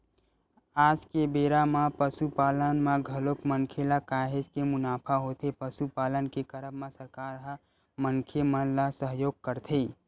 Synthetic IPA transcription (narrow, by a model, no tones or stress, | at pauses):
aːd͡ʒkebeːɾamapəsupaːlənmãɡʱəlokmənkʰelakaːɦɪd͡ʒkemʊnaːpʰaɦot̪ʰepəsupaːlənkekəɾəbmãsəɾkaːɾɦə | mənkʰemənlasəɦjoːɡ̚kəɾt̪ʰe